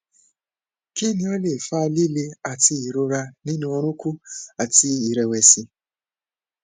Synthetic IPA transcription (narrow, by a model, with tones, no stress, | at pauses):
ki˦nĩ˧˦o˦le˦˨fa˦˧˦li˦le˧a˨ti˧i˨ɾo˧ɾa˧nĩ˦nũ˧ɔ˧ɾ̃ũ˦ku˦a˨ti˧i˨ɾɛ˨wɛ˨si˧